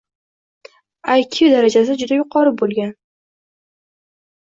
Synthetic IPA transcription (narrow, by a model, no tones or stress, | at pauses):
ajkʲʰɪud̪aɾad͡ʒas̬ɪd͡ʒʊd̪ajʊqʰɒɾɪbolˠɡʲan